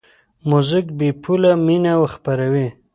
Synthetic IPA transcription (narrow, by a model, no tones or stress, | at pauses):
muzɪkbepʰulaminawəxpaɾawi